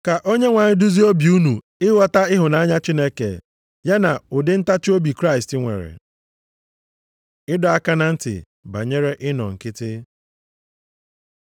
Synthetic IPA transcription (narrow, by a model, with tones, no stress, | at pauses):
ka˨ʔo˦ɲe˦ŋʷa˨ɲɪ˦du˦zi˦o˦bi˨u˦nu˨ | ɪ˦wɔ˦ta˦ɪ˦ɦʊ˨na˨a˦ɲa˦t͡ʃi˦ne˦kḛ˨ | ja˦na˨ʊ˨dɪ˦n̩˦ta˦t͡ʃʊ˦o˦bi˨kɾa˦ɪ˨stɪ˦ŋʷḛ˨ɾḛ˨ | ɪ˦dʊ˨a˦ka˦na˨n̩˦tɪ̰˨ | ba̰˨ɲe˦ɾe˦ʔɪ˦nɔ̰˨ŋ̩˨kɪ˦tɪ˦